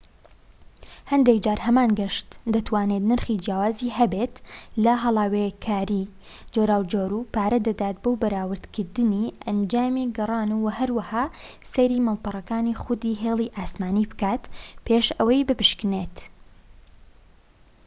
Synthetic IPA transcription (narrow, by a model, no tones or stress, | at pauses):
hɐnd̪ekd͡ʒaːɾhɐmaːnɡɐʃt̪d̪ɐt̪waːneːt̪nɨɾχid͡ʒjaːwaːzihɐbeːt̪lɐɦɐlˠaːwekʰaːɾi | d͡ʒoːɾaːwd͡ʒoːɾuːpaːɾɐd̪ɐd̪aːt̪̚boːbɐɾaːwɨɾd̪kʰɨɾd̪ɨniʔɐnd͡ʒaːmiɡɐrˤɑːnuwɐhɐɾwɐhaːsejɾiːmɐlˠpɑrˤɐkaːnixʊd̪iːɦeːlˠiʔaːsmaːnibɨ̥kaːt̪pʰeːʃɐwɐjbɨpɨʃkɨneːt̪